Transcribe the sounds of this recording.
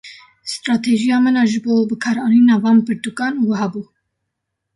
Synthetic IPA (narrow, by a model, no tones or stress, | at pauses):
st̪ɾɑːt̪ʰeʒijɑːmɨnɑːʒɨboːbɨkʰɑːɾɑːniːnɑːvɑːnpʰɨɾt̪ukɑːnwaɦɑːbuː